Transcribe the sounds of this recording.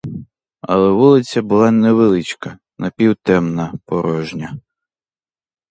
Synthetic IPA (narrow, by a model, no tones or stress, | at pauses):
ɐ̰lˠɛʋulˠɪt͡sʲːɐbʊlˠɑnɛʋelˠɪt͡ʃkɐ | nɐpʲiwt̪ɛmnɐpɔɾɔʒnʲɐ